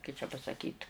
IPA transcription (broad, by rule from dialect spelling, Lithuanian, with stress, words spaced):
kɐɪ t͡ʃʲɛ pɐsɐˈkʲiːt